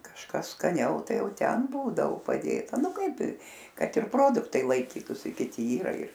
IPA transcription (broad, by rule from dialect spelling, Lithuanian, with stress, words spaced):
kɐʃˈkɐs skɐˈnʲɛʊ ˈtɐɪ ˈjɛʊ ˈtʲɛn ˈbuːdɐoː pɐˈdʲeːtɐ ˈnʊ ˈkɐɪp ɪ ˈkɐt ɪr ˈproːdʊktɐɪ lˠɐɪˈkʲiːtʊsʲɪ kʲɪˈtʲɪ ˈiːrɐ ɪr